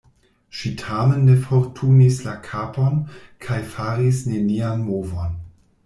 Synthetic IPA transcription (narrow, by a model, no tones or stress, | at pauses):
ʃitʰamenːefoɾtʰunislakʰaponkʰajfaɾisne̞nianmovon